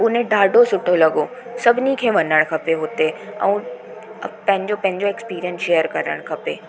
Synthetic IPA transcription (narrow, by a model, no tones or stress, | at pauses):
ʊnẽɖaːɖosʊʈʰːolɐɡoː | sɐbnikʰeʋɐnəɽ̃kʰɐpeɦoːt̪eɛɐ̰̃ | pɛ̃ɦɪ̃ɲd͡ʑopɛ̃ɦɪ̃ɲd͡ʒoekspiːɾijənsʃeːjəɾkɐɾə̰ɽ̃kʰɐpeː